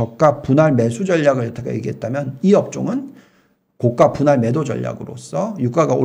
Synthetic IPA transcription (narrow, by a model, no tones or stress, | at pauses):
ʌk̚k͈apunaɭme̞sʰud͡ʑʌʎːaɡɯɭʌtʰakʰa̰jeɡiɦe̞t̚t͈amjʌniʌp̚t͡ɕ͈o̰ŋɯn | kok̚k͈apunaɭme̞dod͡ʑʌ̰ʎːa̰ɡɯɾo̰s͈ʰʌjuk͈aɡao